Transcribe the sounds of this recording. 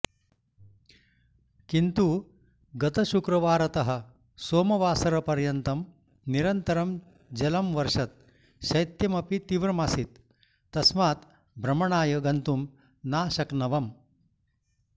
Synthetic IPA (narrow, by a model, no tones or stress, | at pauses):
kint̪u | ɡɐt̪ɐʃukɾɐʋaːɾɐt̪ɐɦɐ̆ | soːmɐʋaːsɐɾɐpɐɾjɐnt̪ɐm | niɾɐnt̪ɐɾɐm | d͡ʒɐlɐmʋɐɾʂɐt̪̚ | ʃɐjt̪jɐmɐpit̪iʋɾɐmasit̪ː | ɐsmaːt̪ | bʱɾɐmɐɳaːjɐɡɐnt̪um | naːʃɐknɐʋɐm